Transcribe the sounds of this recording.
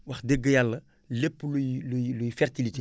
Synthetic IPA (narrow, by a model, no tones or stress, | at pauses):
wɐxdeɡːəjalːɐ | lepːlujlujlujfɛrtilite